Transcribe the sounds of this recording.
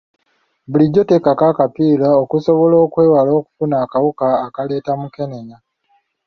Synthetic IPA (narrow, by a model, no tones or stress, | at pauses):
buliɟːo̞te̞kakakapiːlaokuso̞βolo̞ːkwe̞ːwalo̞ːku̥funaːkawukaːkale̞ːtamuke̞neɲa